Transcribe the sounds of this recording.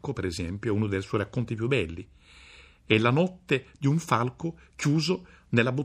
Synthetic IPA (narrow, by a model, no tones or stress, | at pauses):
kopeɾezɛmpjoɛunod̪elswɔjɾakːont̪ipjubːɛlːi | ɛlanɔt̪ːed̪iuɱfalko | kjuːzo | nelːabu